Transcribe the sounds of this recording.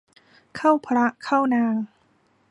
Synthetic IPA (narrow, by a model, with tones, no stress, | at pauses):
kʰa˥˩wpʰɾa˦˥ʔkʰa˥˩wnaː˧ŋ